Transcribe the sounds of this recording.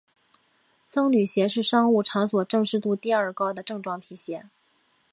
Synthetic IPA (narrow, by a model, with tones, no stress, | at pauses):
sɤ˥ŋly˨˩ɕjɛ˧˥ʂɻ̩˥˩ʂɑ˥ŋu˥˩ʈ͡ʂʰɑ˧˥ŋswɔ˨˩ʈ͡ʂɤ˥˧ŋʂɻ̩˥˧t̪u˥˧t̪i˥˧ə˞˥˩kɑ˥ʊd̪ə˨ʈ͡ʂɤ˥˧ŋʈ͡ʂwɑ˥˩ŋpʰi˧˥ɕjɛ˧˥